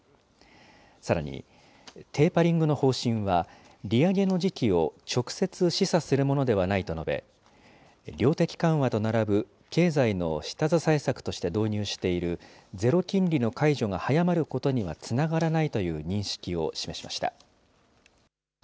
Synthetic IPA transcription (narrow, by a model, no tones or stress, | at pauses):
saɾa̰ɲ̟ḭ | t̪ʰe̞ːpaɾʲĩŋɡɯ̟no̞ho̞ːɕĩɰ̃βa | ɾʲiaɡe̞no̞ʑikʲio̞t͡ɕo̞kɯ̟̥se̞t͡sɨɕisasɨɾɯ̟mo̞no̞d̪e̞β̞anait̪o̞no̞be̞̰ | ɾʲo̞ːt̪e̞kʲi̥kãɰ̃βat̪o̞naɾabɯ̟ | ke̞ːzaino̞̰ɕi̥t̪azasaisakɯ̟̥t̪o̞ɕi̥t̪e̞d̪o̞ːɲ̟ɨːɕi̥t̪e̞iɾɯ̟ | d͡ze̞ɾo̞kʲĩnɾʲino̞kaiʑo̞ɡahajamaɾɯ̟ko̞t̪o̞ɲ̟iβa̰t͡sɨnaɡaɾanait̪o̞jɯ̟ːɲ̟ĩɰ̃ɕi̥kʲio̞̰ɕime̞ɕimaɕi̥t̪a̰